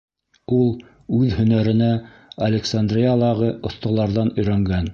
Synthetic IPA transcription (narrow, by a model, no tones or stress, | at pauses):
ulˠ | ʉðhɵ̆næɾɘ̆næ | ɐlʲɪksand̪rʲijalˠɑʁɤŏθt̪ɑ̆lˠɑɾðɑnɵ̆jɾæŋɡæn